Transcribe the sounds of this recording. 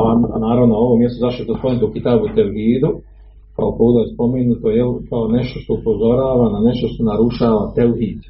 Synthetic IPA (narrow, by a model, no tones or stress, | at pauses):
anaːɾaʋnoo̞ʋomjest̪ozaʃt̪oet̪ospomenut̪oukit̪aːbut̪elɦiːd̪u | ka̰opoːd̪ojespo̞menut̪o̞jelkaone̞ʃt̪o̞ʃt̪o̞upo̞zo̞ɾaːʋanane̞ʃt̪o̞ʃt̪o̞naɾuʃaːʋat̪elɦiːd̪